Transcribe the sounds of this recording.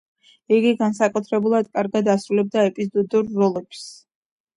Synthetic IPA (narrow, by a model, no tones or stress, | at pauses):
iɡiɡansakʼut̪ʰɾɛbulˠad̪kʼaɾɡad̪asɾulɛb̚d̪aɛpʼizɔd̪uɾːɔlˠɛps